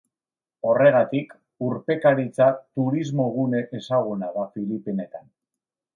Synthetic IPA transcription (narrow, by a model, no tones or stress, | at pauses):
o̞re̞ɣ̞at̪ik | uɾpe̞kaɾit͡sat̪uɾizmo̞ɣ̞une̞ʔesaɣ̞unaðafilipene̞t̪an